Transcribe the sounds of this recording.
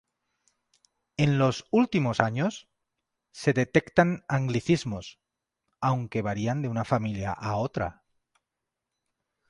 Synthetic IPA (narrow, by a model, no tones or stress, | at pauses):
e̞nlo̞sult̪imo̞saɲo̞sː | e̞ðe̞t̪e̞kt̪anaŋɡliθizmo̞s | awŋke̞βaɾiand̪e̞unafamilja̰ʔaot̪ɾa̰